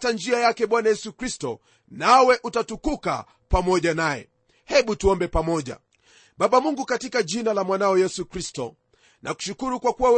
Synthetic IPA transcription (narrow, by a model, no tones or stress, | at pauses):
tand͡ʒiajakɛɓwanajɛsukɾistɔ̰ | nawɛʔutatukuka̰ | pamɔʄanajɛ̰ | hɛɓutuɔmbɛpamɔʄa̰ | ɓaɓamuŋɡukatikaʄinalamwanaɔjɛsukɾistɔ̰ | nʔaku̥ʃukuɾukwakuwaw